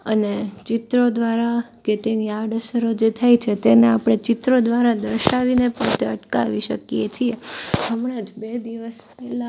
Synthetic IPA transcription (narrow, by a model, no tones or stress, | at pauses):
ənet͡ʃɪt̪ɾod̪ʋaɾa | ket̪enijaɖəsəɾod͡ʒet̪ʰajt͡ʃʰet̪eneapɽ̃et͡ʃɪt̪ɾod̪ʋaɾad̪əɾʃaʋinepəɳt̪eəʈka̰ʋiʃəkijet͡ʃʰieɦəmɽ̃ad͡ʒbed̪iʋəspɛɦla